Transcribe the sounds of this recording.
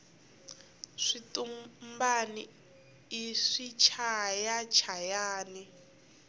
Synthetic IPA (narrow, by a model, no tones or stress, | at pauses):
ʂitumbaniː | ʂit͡ʃʰajat͡ʃʰajaːni